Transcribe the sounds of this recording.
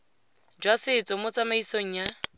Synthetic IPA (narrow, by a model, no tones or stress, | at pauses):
d͡ʒwasɪt͡sʼɔmʊt͡sʼamaisoŋ̩ːja